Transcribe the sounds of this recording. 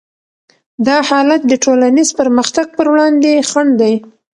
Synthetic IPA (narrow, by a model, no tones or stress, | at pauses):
d̪ɑhɑlat̪̚d̪əʈolanizpəɾməxt̪aɡ̚pəɾwɽɑnd̪exaɳd̪aj